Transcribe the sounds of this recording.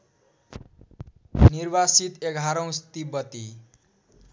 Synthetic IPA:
nirbasit̪eɡʱaɾʌw̃st̪ibʌt̪i

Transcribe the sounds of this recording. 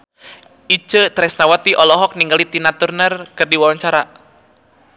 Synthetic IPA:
ʔit͡ʃət̪ɾɛsnawat̪iʔɔlɔɦɔk̚niŋɡalit̪inat̪urnərkɨrdiwawaɲt͡ʃaɾa

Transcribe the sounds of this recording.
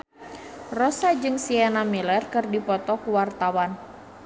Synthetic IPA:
rɔsad͡ʒɨŋsiɛnamilɛrkɨrdipɔt̪ɔkuwart̪awan

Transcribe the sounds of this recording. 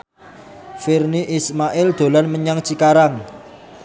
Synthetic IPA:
firniʔismaʔɪld̪̥o̤lanməɲaŋt͡ʃikaɾaŋ

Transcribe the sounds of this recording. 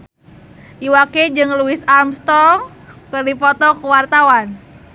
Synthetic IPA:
ʔiwaked͡ʒɨŋluɪsamst̪ɔŋ | kɨrdipɔt̪ɔkəwart̪awan

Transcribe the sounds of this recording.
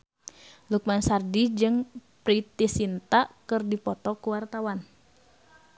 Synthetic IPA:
luk̚mansardid͡ʒɨŋpɾit̪isint̪akɨrdipɔt̪ɔkuwart̪awan

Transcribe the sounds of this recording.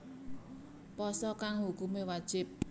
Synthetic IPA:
pɔsɔkaŋɦukumewad̥ʒ̥ɪp̚

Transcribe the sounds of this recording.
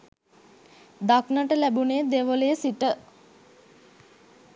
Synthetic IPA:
d̪aknəʈəlæbuneːd̪eʋəlejsiʈə

